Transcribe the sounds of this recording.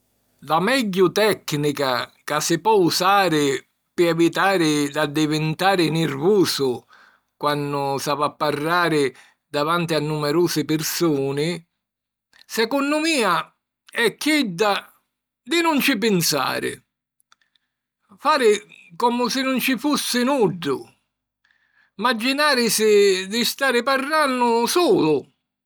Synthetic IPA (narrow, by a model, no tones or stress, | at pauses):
lamɛɟːʊt̪ɛknikakasːɪpːɔusaːɾɪ | pɪɛvit̪aːɾɪd̪ad̪ːɪvɪnt̪aːɾɪnɪrvuːsʊ | kwanːʊsavapːarːaːɾɪ | d̪avant̪ɪanːumɛɾuːsɪpɪrsuːnɪ | sɛkɔnːʊmiːa | ɛkːɛd̪ːa | d̪ɪnʊnt͡ʃɪp̬ɪnsa̰ːɾɪ̰ | faːɾɪkɔmʊsɪnʊnt͡ʃɪfusːɪnuɖːʊ | mad͡ʒːinaːɾɪsɪd̪ɪst̪aːɾɪparːanːʊsuːlʊ